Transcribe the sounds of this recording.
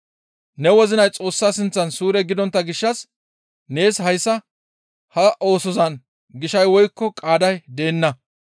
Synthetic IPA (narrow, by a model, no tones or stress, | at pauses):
nɛwɔzɪnɐjt͡sʼo̞ːsːaːsɪnt͡sːɐnsuːɾɛɡɪd̪ɔnt̪ːɐɡɪʃːɐs | ne̞ːshɐjsːɐ | hɐʔo̞ːsɔzɐn | ɡɪʃɐjwɔjkːɔkʼaːd̪ɐjd̪e̞ːnːɐ